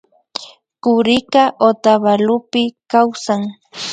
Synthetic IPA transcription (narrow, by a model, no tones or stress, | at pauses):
kʊɾɪkaʔot̪aβalʊpɪkawsaŋ